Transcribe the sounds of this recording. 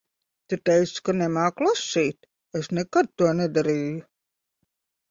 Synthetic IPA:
t̪ɨt̪ɛjskanɛmaːklˠasʲːiːt̪ | esnekad̪̚t̪uɔnɛd̪aɾiːju

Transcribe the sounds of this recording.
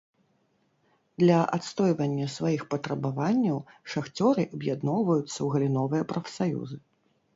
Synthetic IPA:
d̪lʲɐʔat̪st̪ɔjvɐnʲːɐsvajixpɐt̪ɾɐbavanʲːɐwʂaxt͡sʲɔɾɨʔɐbjad̪nɔwvɐjut̪sːɐwɣɐlʲinɔvɨjɐpɾɐfsajṵzɨ

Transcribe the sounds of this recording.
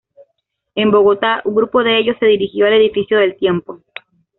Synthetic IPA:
e̞mbo̞ɣ̞o̞t̪auŋɡɾupo̞ðe̞eʝo̞sːe̞ðiɾixjo̞ale̞ðifisjo̞ðe̞lt̪je̞mpo̞

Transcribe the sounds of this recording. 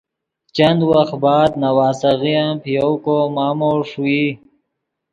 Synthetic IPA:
t͡ʃand̪waxt̪bɑːd̪nawaːsaɣijampijowkomaːmoːʂui

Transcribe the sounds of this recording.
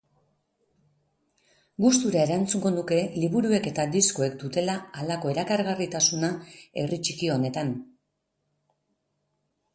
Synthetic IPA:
ɡust̪uɾae̞ɾant͡suŋɡo̞nuke̞liβuɾue̞ke̞t̪ad̪isko̞e̞kd̪ut̪e̞laːlako̞e̞ɾakaɾɣarit̪asunae̞̰rit͡ʃikio̞ne̞t̪an

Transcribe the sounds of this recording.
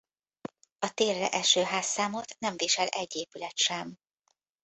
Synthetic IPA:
ɒt̪eːrːɛ̰ʔɛʃøːɦaːsːaːmot̪nɛɱviːʃɛlɛɟːeːpylɛt̪ʃɛm

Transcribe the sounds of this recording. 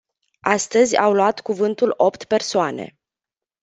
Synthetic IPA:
ast̪əzʲa̰wluat̪kuvɨnt̪ulo̞pt̪pe̞rsoane̞̰

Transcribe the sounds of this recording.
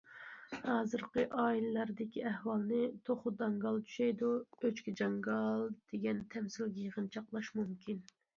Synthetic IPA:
hɑːzɨɾqəʔɑːilɨlɑɾd̪ɪkʲiɛhwɑlˠnɪt̪ʰoχʊd̪ɑŋɡɑlˠt͡ʃ̪ʰy̥ʃɛjd̪uøt͡ʃkʲɛd͡ʒɑŋɡɑlˠd̪̥eɡʲɛnt̪ʰɛmsɪlɡʲɛjəʁənt͡ʃʰɑqlˠɑʃmumkʲʰin

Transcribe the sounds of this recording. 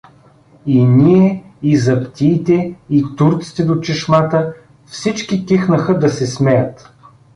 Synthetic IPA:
inʲiɛizɐpt̪iːt̪ɛit̪uɾt̪si̥t̪ɛd̪ot͡ʃɛʃmat̪ə | fsit͡ʃkikixnəxəd̪ɐsɛsmɛjət̪

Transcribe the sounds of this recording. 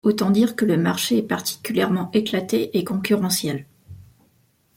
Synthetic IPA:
ot̪ɑ̃d̪iʁkələmaʁʃeɛpaʁt̪ʰi̥kʲyljɛʁmɑ̃ʔeklat̪eʔekɔ̃kʲyʁɑ̃sjɛl

